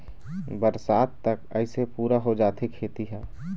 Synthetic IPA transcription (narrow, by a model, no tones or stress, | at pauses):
bəɾsaːt̪t̪ɐkəɪsepuːɾaɦod͡ʒaːt̪ʰekʰeːt̪iɦɛː